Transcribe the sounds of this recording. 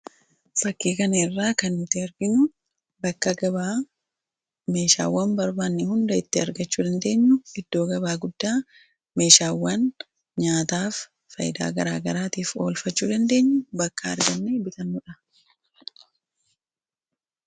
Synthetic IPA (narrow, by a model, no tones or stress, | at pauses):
fɐkːeːkɐnɐɪrːaːkɐnɪt̪eɐɾɡɪnʊ | bɐkːɐɡɐba | me̞ːʃa̰ːwːɐmbɐɾbaːnːɪhʊnd̪ɐɪt̪ːɪɐɾɡɐt͡ʃːuːd̪ɐnd̪e̞ːɲːʊɪd̪ːo̞ːɡɐbaːɡʊd̪ːaː | me̞ːʃaːwːɐn | ɲaːt̪aːfː | ɐjɪd̪a̰ːɡɐɾaːɡɐɾaːt̪iːfo̞ːlfɐt͡ʃːuːd̪ɐnd̪e̞ːɲːʊbɐkːɐɐ̰ɾɡɐnːebɪt̪ɐnːʊᶑɐ